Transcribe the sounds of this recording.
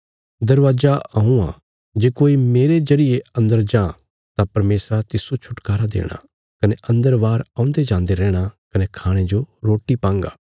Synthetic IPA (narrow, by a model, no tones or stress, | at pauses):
d̪ɐɾʋaːd͡ʒaɐɦũã̰ | d͡ʒeːkoːimeːɾezɐɾɪjeɐ̃nd̪əɾd͡ʒãː | t̪apɐɾmeːsɾat̪ɪsot͡ʃʰʊʈkaːɾad̪ḛːɽ̃a̰ | kɐneʔɐ̃nd̪əɾʋaːɾãːʊ̃nd̪ed͡ʒãːnd̪eɾɛːɽ̃akɐnekʰaːɽ̃ed͡ʒoɾoːʈipãːŋɡa̰ː